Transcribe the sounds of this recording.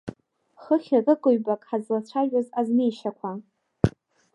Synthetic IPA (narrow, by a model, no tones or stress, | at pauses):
χəχʲarʼɨkʼoɥbakʼħazlat͡ɕʷʰaʒᶣazaznejʃakʷʰa